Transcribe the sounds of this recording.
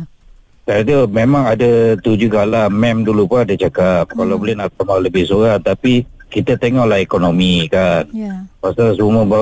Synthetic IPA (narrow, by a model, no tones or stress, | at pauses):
t̪ad̪umemaŋadat̪ud͡ʒuhɡalamɛmdulupaadət͡ʃakap̚kalablɪnapamaləbɪhsuɣaŋt̪apikit̪at̪eŋɔʔlahekonomikanpasasuməba